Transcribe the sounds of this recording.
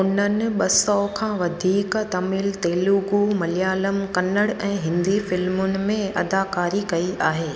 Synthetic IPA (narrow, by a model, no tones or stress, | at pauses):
ʊn̤ənɪ̆ɓɐsɔkʰãːʋɐd̪ʱiːkt̪ɐmɪlt̪eːluɡumɐlijaːləmkɐnəɽɛ̃ːɦɪ̃nd̪ifɪlmʊnɪ̆mẽɐd̪aːkaːɾikɐiaːɦeː